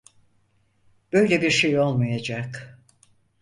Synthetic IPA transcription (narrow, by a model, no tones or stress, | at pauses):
b̥ø̞jlʲɛbiɾʃe̞jo̞lˠmajad͡ʒak